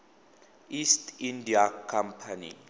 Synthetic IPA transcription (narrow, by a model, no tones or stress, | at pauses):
istindiakʰampʰanḭ